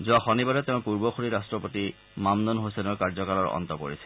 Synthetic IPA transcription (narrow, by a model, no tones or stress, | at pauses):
zuaxɔnibaɾɛtɛʊ̃puɹbɔxoɹiɹastɹɔpoti | mamnɔnɦosɛnɔkaɹzɔkalɔɹɔ̰ntɔpo̰ɹisɛ̥